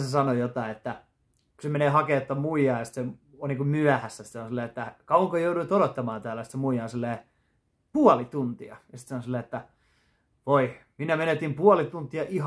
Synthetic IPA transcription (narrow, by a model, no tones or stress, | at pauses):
sesɑnojot̪ɑiet̪ːæ | kusemeneːhɑket̪ːɑmuijɑːjɑsi̥t̪se | oniːkummyæhæsːæsit̪seonsilːeːet̪ːækɑuwɑŋkojouɾuit̪oɾot̪ːɑmɑːnt̪æːlːæsit̪semuijɑːnsilːeː | puɑlit̪unt̪iɑ̰jɑsi̥t̪seonsilːeːet̪ːæ | ʋoiminːæmenet̪impuɑlit̪unt̪iɑʔiɦ